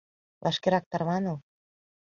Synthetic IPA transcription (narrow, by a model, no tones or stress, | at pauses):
βɑʃkeɾɑk̚t̪ɑɾβɑnɤ̆l